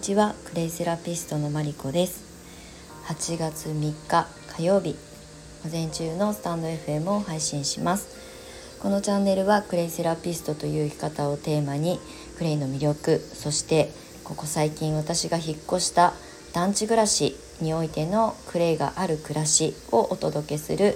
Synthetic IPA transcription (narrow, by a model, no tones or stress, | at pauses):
t͡ɕiβakɯ̟ɾe̞iseɾapʲisɨ̥t̪o̞no̞maɾʲiko̞d̪e̞sɨ̥ | hat͡ɕiɡat͡sɨmʲikːa | kʰajo̞ːbʲi | ɡ̥o̞zẽ̞ɲ̟t͡ɕɨːno̞sɨ̥t̪ãnd̪o̞e̞ɸɯ̟e̞mɯ̟o̞haiɕĩɰ̃ɕimasɨ̥ | ko̞no̞t͡ɕãnːe̞ɾɯ̟βakɯ̟ɾe̞iseɾapʲisɨ̥t̪o̞t̪o̞jɯ̟ːikʲi̥kat̪ao̞t̪e̞ːmaɲ̟i | kɯ̟ɾe̞ino̞mʲiɾʲjo̞kɯ̟so̞ɕi̥t̪e̞ | ko̞ko̞saikʲĩɰ̃βat̪aɕiɡaçikːo̞ɕi̥t̪a | d̪̥ãɲ̟t͡ɕiɡɯ̟ɾaɕi | ɲ̟io̞it̪e̞no̞kɯ̟ɾe̞iɡa̰ʔaɾɯ̟kɯ̟ɾaɕio̞ʔot̪o̞d̪o̞ke̞sɨ̰ɾɯ̟